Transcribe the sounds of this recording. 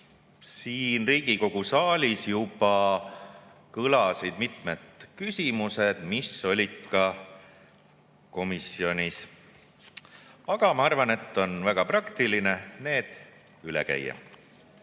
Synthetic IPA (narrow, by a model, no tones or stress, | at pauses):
siːnriːɡiko̞ɡ̥usɑːlʲisjubɑ | kɤlɑsid̪̥mit̪met̪kysʲimuse̞d̪̥miso̞lʲid̪̥kɑ | ko̞misio̞nʲis | ɑɡ̥ɑmɑɑrvɑne̞t̪ˑːo̞nvæɡ̥ɑprɑkt̪ilinene̞ːd̪̥ | ylɛ̰kæ̰jːɑ̰